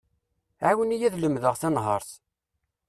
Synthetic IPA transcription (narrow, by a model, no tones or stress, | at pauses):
ʕawənijæðləmðəʁθinɦə̰ɾˤθ